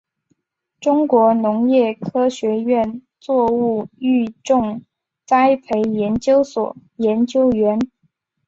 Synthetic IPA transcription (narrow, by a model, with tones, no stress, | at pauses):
ʈ͡ʂʊ˥ŋkwɔ˧˥nʊ˧˥ŋjɛ˥˩kʰɤ˥ɕɥɛ˧˥ɥɛ˥˩n | t͡swɔ˥˧u˥˩˧y˥˧ʈ͡ʂʊ˥˧ŋ | t͡sa˥ɪpʰe˧˥ɪjɛ˧˥nt͡ɕjo˥ʊswɔ̰˨˩jɛ˧˥nt͡ɕjo˥ʊɥɛ˧˥n